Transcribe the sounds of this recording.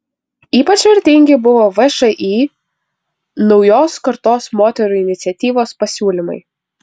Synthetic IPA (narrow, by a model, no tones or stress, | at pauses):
iːpɐt͡ʃʲʋɐɾʲt̪ʲɪŋʲɡʲɪbʊʋoːʋɛʃɐʔiː | nɒʊjoːskɐɾt̪oːsmoːt̪ʲɛɾuːɪnʲɪt̪sʲɛt̪ʲiːʋoːspɐsʲuːlʲɪmɐ̰ɪ